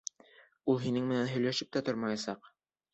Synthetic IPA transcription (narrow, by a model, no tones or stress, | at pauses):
ulˠɦinɘŋmɘ̆nænɦɵ̆jlæʃɘp̚t̪æt̪oɾmɑjɑsɑq